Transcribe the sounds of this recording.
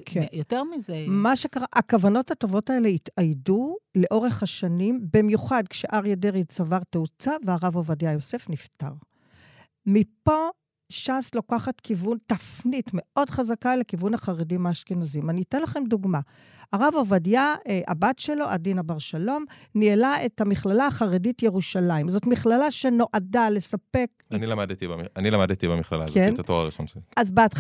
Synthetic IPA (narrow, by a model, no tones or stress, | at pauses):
kʰejoteʁmizemaʃe̞kaʁaʔakavano̞thato̞vo̞tae̞le̞itajdule̞ʔo̞ʁe̞χhaʃanimbimjuχadkʃeʔaʁjedeʁidt͡savaʁteut͡saveaʁavovadjajo̞se̞fnifta̰ʁ | mipo̞ | ʃaslokaχatkivuntafnitme̞o̞dχazakale̞kivunaχaʁedimaʃkenazimaniːtenlaχe̞mduɡma | aʁavovadjaʔa̰batʃe̞lo̞ʔadinabaʁʃalo̞mnielae̞thamiχlalaːχaʁeditje̞ʁuʃalaimzo̞tmiχlalaʃe̞no̞ʔadale̞sape̞knilamadet̪ibamanilamadetibemiχla̰la̰kzent̪atoʁa̰ʁiʃo̰nʃoazbeat